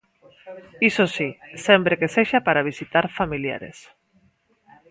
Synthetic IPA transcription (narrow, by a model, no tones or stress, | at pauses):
isosisempɾekeseʃapaɾaβ̞isit̪aɾfamilja̰ɾḛs